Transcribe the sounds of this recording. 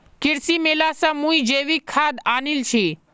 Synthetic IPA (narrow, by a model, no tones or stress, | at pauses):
kɪɾsimeːlasəmũid͡ʒeːʋikʰːad̪anilt͡ʃʰi